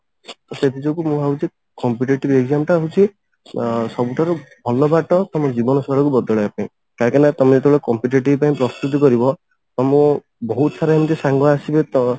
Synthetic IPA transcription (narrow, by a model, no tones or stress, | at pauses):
t̪ɔset̪id͡ʒɔkumũɦaɦut͡ʃʰi | kɔmpiʈeʈibeɡzamʈaːɦut͡ʃʰi | sɔbuʈʰaɾubʱɔlɔbaʈɔt̪ɔmɔd͡ʒibɔnɔsɔɭɔkubɔd̪ɔɭɔapãĩ | kakanat̪ɔmɔet̪ebɭekɔmpiʈeʈ̬ibpaĩpɾɔst̪ut̪̬ɔkɔɾibɔ | ɔmɔ̃ | bɔɦut̪ɔsaɾɔamɔt̪esaŋɡɔasibet̪ɔ